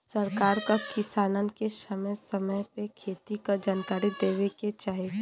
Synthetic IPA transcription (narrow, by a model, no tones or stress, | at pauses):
səɾkaːɾkakɪsaːnan̆kesəməjsəməjpekʰeːt̪ikad͡ʒaːnkaːɾid̪eːʋeket͡ʃaːɦe